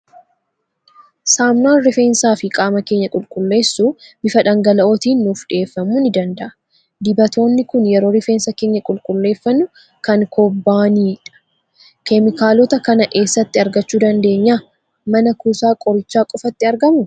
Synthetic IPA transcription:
saːmnaːnɾɪfeːnsaːfɪkʼaːmɐke̞ːɲːɐkʼʊlkʼʊlːe̞ːsːubɪfɐᶑɐŋɡɐlɐʔoːt̪iːnːuːfᶑɪeːfːɐmːʊnɪd̪ɐnd̪ɐʔɐ̥ | d̪ɪbɐt̪o̞ːnːɪkʊnjɛɾo̞ːɾɪfe̞ːnsɐke̞ːɲːɐkʼʊlkʼʊlːe̞ːfːɐnːʊ | kɐŋkʰɔbːaːniːᶑɐ̥ | kɛmɪkaːlɔt̪ɐkɐnɐʔe̞ːsːɐt̪ːɪɐɾɡɐt͡ʃːuːd̪ɐnd̪e̞ːɲːaː | mɐnɐkuːsaːkʼɔɾɪt͡ʃːaːkʼɔfɐt̪ːɪɐɾɡɐmʊ

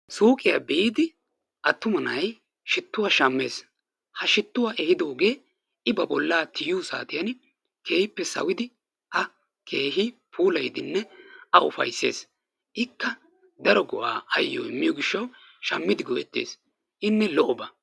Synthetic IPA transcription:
suːkʼɪjaːbeːd̪ɪ | ʔɐt̪ːʊmɐnɐj | ʃɪt̪ːʊwaːʃɐmːe̞̰ːs | hɐʃɪt̪ːʊwaːʔɛhɪd̪o̞ːɡe̞ː | ɪbɐbɔlːaːt̪ɪjuːsa̰ːt̪ɪjɐn | ke̞ːhɪpːɛsɐ̰wɪd̪ɪ | ʔɐ | kʰe̞ːɦɪpʰuːlɐjd̪ɪnːɛɐʊfɐ̰jsːeːs | ʔɪkːɐ | d̪ɐɾɔɡʊʔaːɐjːo̰ːɪmːɪjɔɡɪʃːɐw | ʃɐmːɪd̪ɪɡɔʔɛt̪ːḛːs | ʔɪnːɛlɔʔɔbɐ

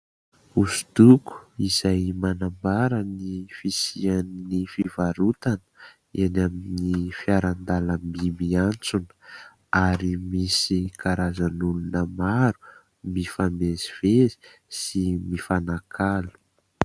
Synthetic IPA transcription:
uzd̪uku̥izajmanambaɾənifisiannifivaɾut̪anə̥ | enaminifiaɾand̪aləmbimiant͡sunə̥ | aɾimisikaɾazanulunəmaɾu | mifameziv̥ezi̥ | simifanakʰalu̥

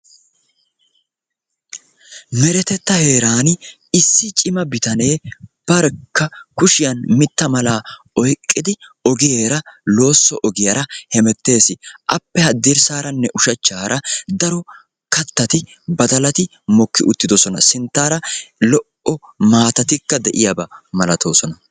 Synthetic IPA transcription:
mɛɾɛt̪ɛt̪ːɐhe̞ːɾaːn | ɪsːɪt͡ʃʼɪmɐbɪt̪ɐne̞ːb̥ɐɾkːɐkʊʃɪjɐnmɪt̪ːɐmɐlaː | ɔjkʼːɪd̪ɪɔɡɪjeːɾɐlo̞ːsːɔʔɔɡɪjɐɾɐhɛmɛt̪ːe̞ːsɪʔɐ̰pːɛhɐd̪ːiɾsaːɾɐnːɛʔʊʃɐt͡ʃːaːɾɐd̪ɐɾɔ | kɐt̪ːɐt̪ɪ | bɐd̪ɐlɐt̪ɪ | mɔkːɪʔʊt̪ːɪd̪ɔsɔnɐ̰sɪnt̪ːaːɾɐlɔʔʔɔmaːt̪ɐt̪ɪkːɐd̪ɛʔɪjɐbɐmɐlɐt̪ʰo̞ːsɔnɐ

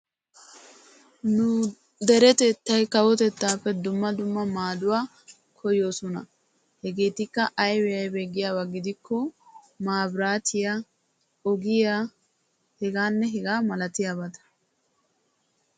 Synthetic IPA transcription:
nʊ | d̪ɛɾɛt̪ɛt̪ːɐjkɐwɔt̪ɛt̪ːaːpːɛd̪ʊmːɐd̪ʊmːɐmaːd̪ʊwaː | kʰɔjoːsɔnɐ̰ | hɛɡeːt̪ɪkːɐʔɐjwɛjɐjbɛɡːɪjaːwɐɡɪd̪ɪkːɔ | maːbɾaːt̪ʰɪja | ɔɡɪjaː | hɛɡaːnːɛɦɛɡaːmɐlɐt̪ɪjaːbɐt̪ɐ̥

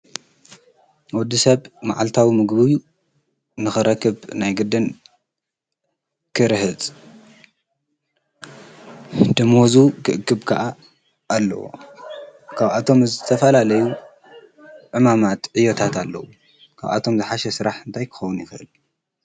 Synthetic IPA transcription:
wɔd̪ːisɐβmaʕalt̪ʰawimɨɡbɨj | nɨxɨɾɐkːɨβnajɡɨd̪ɨn | kʰɨɾhɨt͡sʼ | d̪ɨmozukʰɨʔɨkʰːɨbkʰɐʔa | ʔːlːɐ̰wo̰ | kʰaβat̪ʰo̞mzɨt̪ʰɐfɐlalɐju | ʕɨmamat̪ʕijot̪ʰat̪ʰalːɐ̰wu | kʰa̰βa̰t̪ʰo̞mzɨħaʃɛsɨɾaħɨnt̪ʰajkʰɨ̥xɐwunjɪxɨʔɨ̰l

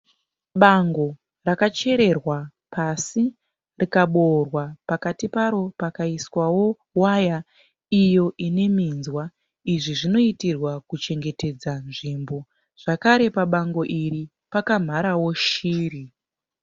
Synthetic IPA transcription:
ɓaŋɡo̞ | rakat͡ʃe̞ɾe̞rwa | pʰasi | rikaɓorwapakatipaɾo̞pakaiswawo̞ | waja | ijo̞ʔine̞minzwa | iʐiʐino̞itirwakut͡ʃe̞ŋɡe̞te̞d͡zanʐimbo̞ | ʐ̥akaɾe̞paɓaŋɡo̞ʔiri | pakam̤aɾawo̞ʃiːri

